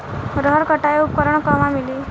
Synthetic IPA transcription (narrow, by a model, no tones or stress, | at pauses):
ɾəɦəɾkəʈaeupkəɾəɳkɔmamiliː